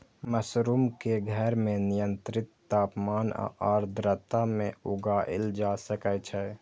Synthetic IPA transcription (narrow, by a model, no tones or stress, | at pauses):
məsɾuːmkeɡʱəɾmẽnɪjə̃nt̪ɾɪt̪ːaːpmaːna̰aːɾd̪ɾət̪amẽʊɡaːʔɪ̰ld͡ʒaːsəkɛt͡ʃʰɛ